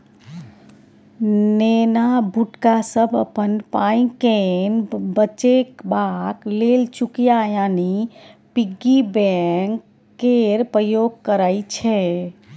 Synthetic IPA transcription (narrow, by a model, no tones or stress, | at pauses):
nenabʱuʈkasəbʱə̰pənpaĩkenbət͡ʃekbaklelt͡ʃukjajanipiɡibɛŋkː | eɾpɾəjoɡ̚kəɾajt͡ʃʰɛ